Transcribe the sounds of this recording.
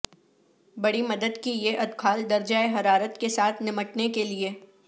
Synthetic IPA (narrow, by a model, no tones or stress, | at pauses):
bɐɽimɐd̪əd̪kijeʔɐd̪kʰaːld̪ɐɾd͡ʒaːeɦɐɾaːɾət̪kesaːt̪ʰnɪməʈnekelie